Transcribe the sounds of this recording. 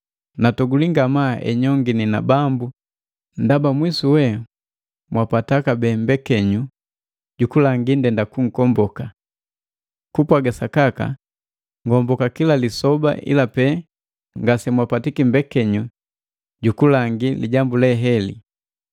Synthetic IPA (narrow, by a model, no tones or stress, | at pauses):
natɔɡuliŋɡamaʔɛ̰ɲɔŋɡinina̰bambu | ndabamwisuwɛ | mwapatakabɛːmbɛkɛɲu | ɟukulaŋɡindɛndakuŋ̩kɔmbɔka | kupwaɡasakaka̰ | ŋɡɔmbɔkakilalisɔba̰ʔḭlapɛ | ŋɡasɛmwapatikimbɛkɛɲu | ɟukulaŋɡiliɟambulɛɦɛlḭ